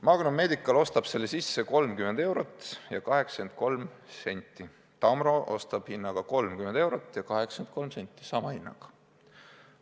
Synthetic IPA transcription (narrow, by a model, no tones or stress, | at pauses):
mɑɡunume̞ːd̪ikːˑɑlo̞st̪ɑb̥se̞lːesisːe̞ko̞lmkymend̪e̞wɾo̞t̪ˑːjɑkɑɦe̞kske̞nd̪̥̚ko̞lmse̞nʲt̪ːˑi | t̪ɑmro̞ʔo̞̰st̪ɑb̥hinːɑɡ̥ɑko̞lmkyme̞nd̪e̞wɾot̪ːˑjɑkɑɦe̞ksent̪̚ko̞lmse̞nʲt̪ˑːi̥sɑmɑhinːɑ̰ɡ̥ɑ̥